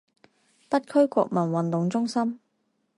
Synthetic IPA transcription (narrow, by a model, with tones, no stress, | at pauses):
pɐ˥t̚kʰɵ˥ɥkʷɔ̰ː˧k̚mɐ˨˩nwɐ˨nt̪ʊ˨ŋt͡sʊ˥ŋsɐ˥m